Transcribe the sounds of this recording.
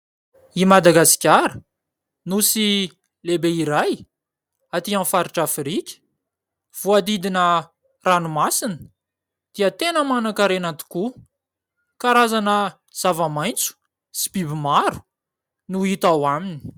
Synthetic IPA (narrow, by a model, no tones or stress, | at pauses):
imad̪aɡasi̥kʲaɾə | nusi | lebeiɾaj | at̪iãfaɾiʈ͡ʂafɾikʲə̥ | v̥uad̪id̪inə | ranumasinə̥ | d̪̥iət̪enəmanakaɾenant̪i̥ku | kaɾazanə | z̥avamajnt͡su̥ | si̥bibimaɾu̥ | nuit̪awamini̥